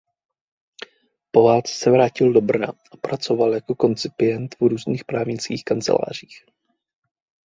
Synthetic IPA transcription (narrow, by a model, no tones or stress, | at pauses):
po̞vaːlt͡sɛ̥sɛvɾaːcɪldo̞br̩na̰ʔapɾat͡so̞valjako̞ko̞nt͡sɪpɪjɛnt̪vɾuːzniːxpɾaːvɲɪt͡skiːxkant͡sɛ̰la̰ːr̝iːx